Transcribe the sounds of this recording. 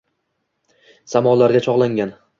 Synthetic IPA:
samɒlaɾɡʲat͡ʃʰɒʁlˠaŋɡʲan

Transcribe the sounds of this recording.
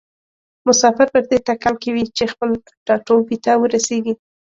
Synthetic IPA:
mʊsɑfɪɾpəɾd̪eʈakɑlkawit͡ʃexpəl | ɖ̥ɑʈobit̪awəɾaseɡi

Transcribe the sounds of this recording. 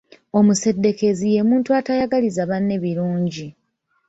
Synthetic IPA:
o̞muse̞dːe̞ke̞zije̞muːntuatajaɡalizaβanːe̞βiɾuːɲɟi

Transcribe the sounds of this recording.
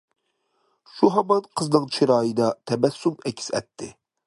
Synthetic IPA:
ʃuɦɑmɑnqʰəznɨŋt͡ʃʰiɾɑːjɨd̪ɑt̪ʰɛbɛsːumɛkʲʰːi̥sɛ̰t̪ʰːɪ

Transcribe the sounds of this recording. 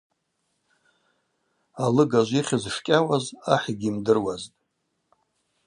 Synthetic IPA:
alɨɡaʒʷiχʲɪzʂkʲʼawazaħiɡʲiːmdɨrwaztʼ

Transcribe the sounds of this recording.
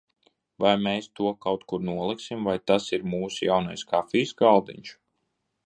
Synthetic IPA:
vajmeːst̪uɔkawt̪kuɾnuɔlˠiksimvajt̪asiɾmuːsjawnajskafʲiːsɡalˠd̪ḭɲʲt͡ʃ

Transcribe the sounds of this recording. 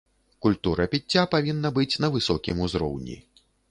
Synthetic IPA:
kulʲt̪uɾɐpʲit͡sʲːapavʲinːɐbɨt͡sʲnɐvɨsɔkʲḭmuzɾɔ̰wnʲḭ

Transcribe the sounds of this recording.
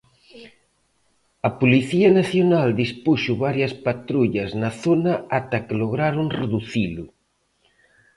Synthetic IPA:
ɐpoliθiɐnaθjonald̪ispuʃʊβaɾjɐspat̪ɾuʎɐznɐθonɐat̪ɐkɪloɣɾaɾʊŋreðuθilʊ

